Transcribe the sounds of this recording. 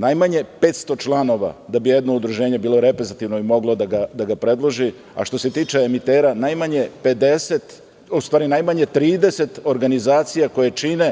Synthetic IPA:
najmaɲe̞pe̞ːt̪st̪o̞t͡ʃlˠano̞ʋa̰d̪abije̞d̪no̞ud̪ɾuʒe̞ːɲe̞biːlˠo̞ɾe̞pɾezit̪iʋnoimo̞ɡlˠo̞d̪aɡad̪aɡapɾe̞d̪lˠo̞ʒi | a̰ʃt̪o̞se̞t̪iːt͡ʃeːmit̪eːɾanajmaɲe̞pe̞d̪e̞se̞t̪ | ust̪ʋaːɾinajmaɲe̞t̪ɾiːd̪e̞se̞t̪o̞ɾɡanizaːt̪sijako̞jet͡ʃine̞

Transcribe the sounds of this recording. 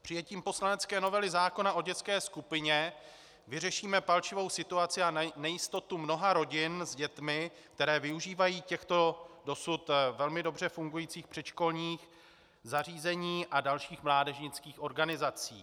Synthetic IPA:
pr̥ɪjɛciːmpo̞slanɛt͡skɛːno̞vɛlɪzaːko̞naʔo̞ɟɛt͡skɛːskupɪɲɛ | vɪrɛʃiːmɛpalt͡ʃɪvo̞wsɪt̪uat͡sɪanɛjɪst̪o̞t̪umno̞ɦaɾo̞ɟɪnzɟɛt̪mɪ | k̚t̪ɛɾɛːvɪuʒiːvajiːcɛxt̪o̞do̞sut̪vɛlmɪdo̞br̝ɛfuŋɡujiːt͡siːxpr̥ɛt̪ʃko̞lɲiːx | zar̝iːzɛɲiːʔadalʃiːxmlaːdɛʒɲɪt͡skiːxʔo̞ɾɡanɪzat͡siː

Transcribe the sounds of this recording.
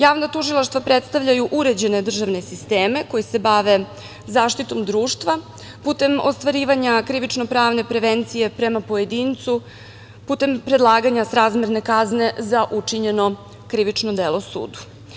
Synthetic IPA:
jaːʋnat̪uʒilˠaʃt̪ʋapɾet̪st̪aʋʎajuʔuɾe̞d͡ʑe̞ne̞d̪r̩ʒaʋne̞sist̪eːme̞ko̞jise̞baʋe̞ | zaːʃt̪it̪o̞md̪ɾuːʂt̪ʋa | put̪e̞mo̞st̪ʋaɾiːʋaɲakɾiʋit͡ʂnopɾaːʋnepɾe̞ʋent̪sije̞pɾe̞mapo̞jed̪iːnt̪su | put̪e̞mpɾed̪lˠaːɡaɲasɾaːzmʲeɾne̞kazne̞zaʔut͡ʂiɲe̞no̞ | kɾiʋit͡ʂnod̪elˠo̞sṵːd̪u̥

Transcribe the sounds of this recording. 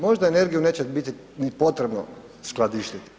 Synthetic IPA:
mo̞ʒd̪aene̞ɾɡijune̞ːt͡ɕebit̪i | nipo̞t̪ɾe̞bno̰ | sklˠad̪iʃt̪it̪i

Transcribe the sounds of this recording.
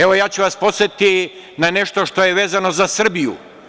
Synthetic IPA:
eʋo̞jaːt͡ɕuʋaspot̪set̪i | nane̞ʃt̪oʃt̪o̞jeʋeːzano̞zasr̩bijṵ

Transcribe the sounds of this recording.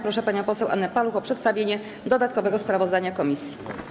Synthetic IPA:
pɾɔʂɛpaɲɔ̃pɔsɛwʔa̰nːɛpaluxɔpʂɛt̪st̪avʲjeɲɛ | d̪ɔd̪at̪̚kɔvɛɡɔspɾavɔzd̪aɲakɔmʲisʲji

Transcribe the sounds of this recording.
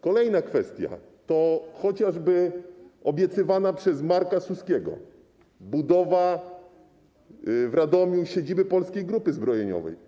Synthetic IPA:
kɔlɛjnakfɛst̪ʲja̰ | t̪ɔxɔt͡ɕaʐbɘɔbʲjɛt̪sɘvanapʂɛzmaɾkasuskʲɛɡɔ̰ | bud̪ɔva | vɾad̪ɔmʲjuɕed͡ʑibɘpɔlskʲejɡɾupɘzbɾɔjeɲɔ̰vɛ̰j

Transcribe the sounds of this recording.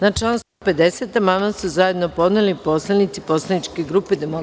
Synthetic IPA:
nat͡ʃlaːnst̪upe̞d̪e̞set̪amamasuzaje̞d̪nopo̞d̪nelipo̞slanit̪sipo̞slˠanit͡ʃke̞ɡɾuːpe̞d̪emo

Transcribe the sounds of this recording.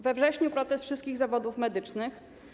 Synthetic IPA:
vɛvʐɛɕɲupɾɔt̪ɛst̪fʂɘst̪kʲiɣzavɔd̪ufmɛd̪ɘt͡ʂnɘx

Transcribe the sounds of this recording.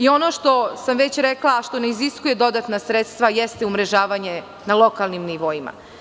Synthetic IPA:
io̞no̞ʃt̪o̞samʋet͡ɕɾeklaʃt̪o̞neiziskujed̪o̞d̪at̪nasɾet̪st̪ʋajest̪eumɾe̞ʒaːʋaɲe | nalˠo̞kalˠnimniʋo̞ima̰

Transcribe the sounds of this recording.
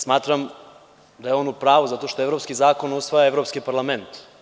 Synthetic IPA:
smaːt̪ɾam | d̪ajeonupɾaːʋuzat̪oʃt̪oevɾo̞pskizaːko̞nusʋajaevɾo̞pskipaɾlˠament̪

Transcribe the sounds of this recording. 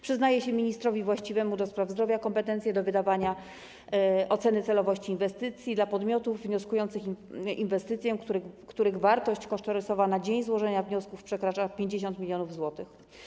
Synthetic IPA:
pʂɘznajɛɕɛmʲiɲist̪ɾɔvʲivwaɕt͡ɕivɛmud̪ɔspɾavzd̪ɾɔvʲjakɔmpɛt̪ɛnt̪ʲjɛd̪ɔvɘd̪avaɲa | ɔt̪sɛnɘt̪sɛlɔvɔɕt͡ɕiːnvɛst̪ɘt̪sʲjid̪lapɔd̪mʲɔt̪uvːɲɔskujɔnt̪sɘxinvɛst̪ɘt̪sʲjɛkuɾkt̪uɾɘɣvaɾt̪ɔɕt͡ɕkɔʂt̪ɔɾɛsɔvanad͡ʑeɲzwɔʐɛɲavɲɔskufpʂɛkɾat͡ʂapʲjeɲd͡ʑeɕ̬ɔnt̪mʲilʲjɔnuvzwɔt̪ɘx

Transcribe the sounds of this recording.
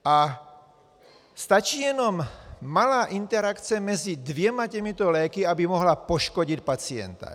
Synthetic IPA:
ʔa | st̪at͡ʃiːjɛnɔmːalaːʔint̪ɛɾakt͡sɛmɛzid̪ʋɪɛmacɛmit̪ɔlɛːkiabimɔɦlapɔʃkɔɟit̪pat͡siɛ̰nt̪a̰

